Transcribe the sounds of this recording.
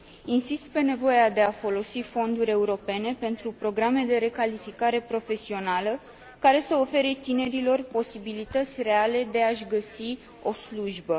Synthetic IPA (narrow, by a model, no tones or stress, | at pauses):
insist̪̚pe̞ne̞vo̞jead̪e̞afo̞lo̞sifo̞nd̪uɾʲe̞uɾo̞pe̞ne̞pe̞nt̪ɾupɾo̞ɡɾame̞d̪e̞ɾe̞kalifikaɾe̞pɾo̞fe̞sio̞nalə | kaɾe̞səo̞fe̞ɾet̪ine̞ɾilo̞rpo̞sibilit̪ət̪sʲre̞ale̞d̪e̞aʃɡəsi | o̞sluʒbə